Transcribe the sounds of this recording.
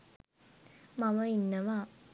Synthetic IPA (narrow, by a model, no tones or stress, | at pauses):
maməinːəʋaː